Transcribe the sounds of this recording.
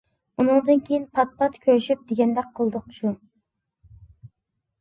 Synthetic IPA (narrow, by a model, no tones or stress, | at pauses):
unɨŋd̪ɨnkʲʰejinpʰɑt̪̚pʰɑt̪kʲʰøɾyʃip̚d̪̥eɡʲɛnd̪ɛk̚qʰːəlˠd̪ɨqʃʰu